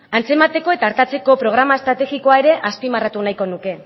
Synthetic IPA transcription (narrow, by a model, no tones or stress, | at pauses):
ant͡se̞mat̪e̞ko̞e̞t̪aːɾt̪at͡se̞ko̞pɾo̞ɣ̞ɾamaest̪ɾat̪e̞ɣiko̞aeɾe̞ʔaspimarat̪unajko̞nuke̞